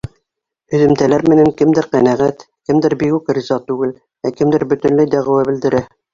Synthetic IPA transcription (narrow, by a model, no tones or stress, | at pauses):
ɵ̆ðɘ̆mt̪ælæɾmɘ̆næŋkɘ̆md̪ɘɾqænæʁæt̪ | kɘ̆md̪ɘɾbikʉkrizɑt̪ʉɡɘl | ækɘ̆md̪ɘɾbɵ̆t̪ɵ̆nlɘjd̪æʁɘ̆wæbɘ̆ld̪ɘ̆ɾæ